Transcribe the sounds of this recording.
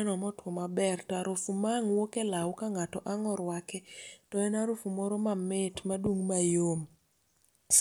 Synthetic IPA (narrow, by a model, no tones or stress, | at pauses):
ɛnɔmɔtwɔmabɛrtɔaɾʊfumaŋwokelawkaŋatɔʔaŋɔɾwakɛtɔɛnaɾʊfumɔɾɔmamɪtmadwuŋmajom